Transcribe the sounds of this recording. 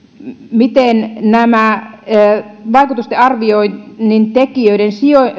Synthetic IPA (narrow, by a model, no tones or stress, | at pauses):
mit̪ennæmæ | ʋɑikut̪ust̪eɑrʋioinnːint̪ekiøiɾensio